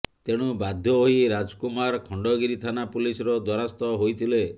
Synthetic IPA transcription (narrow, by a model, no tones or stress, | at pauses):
t̪eɽ̃ubad̪ʱjɔoɦiɾad͡ʒkumaɾkʰɔɳɖɔɡiɾit̪ʰanapulisɔɾɔd̪wɔɾast̪ɔɦojt̪ʰile